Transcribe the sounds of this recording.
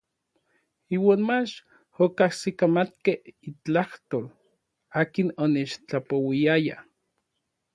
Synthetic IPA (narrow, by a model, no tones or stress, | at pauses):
iːwaːnmat͡ʃ | okahsikamat̪keit͡ɬaht̪oːl | aːkinonet͡ʃt͡ɬapowiaja̰